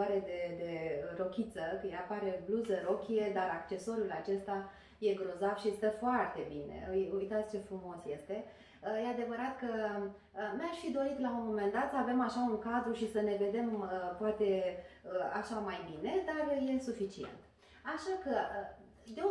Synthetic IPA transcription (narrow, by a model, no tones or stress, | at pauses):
aɾe̞d̪e̞d̪e̞ɾo̞kʲit̪səkəjapaɾe̞bluzəɾo̞kʲije̞d̪aɾakt͡ʃe̞so̞ɾulat͡ʃe̞st̪a | je̞ɡɾo̞zavʃist̪əfoart̪e̞binḛjujt̪at̪sʲt͡ʃe̞fɾumo̞sje̞st̪e̞ | əje̞ad̪e̞vəɾat̪kə | naʃfid̪o̞ɾit̪launmo̞me̞nd̪at̪səave̞maʃauŋkazɾuʃisəne̞ve̞d̪e̞məpoat̪e̞əa̰ʃamajbine̞d̪arje̞sufit͡ʃie̞̰nt̪ | aʃakə | d̪e